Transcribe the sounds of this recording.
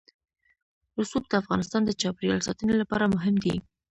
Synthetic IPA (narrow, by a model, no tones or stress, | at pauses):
ɾʊsul̚d̪əafɣɑnɪst̪ɑnd̪ət͡ʃɑpɾjɑ̰lsɑ̰t̪ənelapɑɾamʊɦɪmd̪ḭ